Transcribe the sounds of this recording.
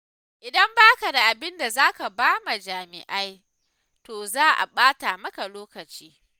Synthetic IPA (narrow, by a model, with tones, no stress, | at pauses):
ʔɪ˨dɐ˦mbaː˦ka˨da˨ʔa˨bɪ˦nda˨zaː˦ka˨baː˦ma˨d͡ʒaː˨mɪ̰˨ʔa˦j | toː˨zaː˦ʔa̰˨ɓaː˦ta˨mɐ˦ka˨loː˦kɐ˨t͡ʃiː˦